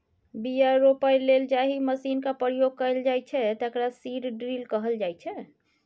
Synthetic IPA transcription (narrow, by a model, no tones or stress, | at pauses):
bijaɾopajleld͡ʒaɦiməsinkapɾjoɡ̚kəjld͡ʒajt͡ʃʰɛt̪əkɾasiɾɖɾilkəɦəld͡ʒajt͡ʃʰɛ